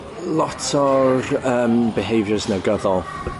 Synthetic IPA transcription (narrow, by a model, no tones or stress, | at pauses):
lˠɔtʰɔrəːmbɪɦejvjəznəɡəðɔlˠ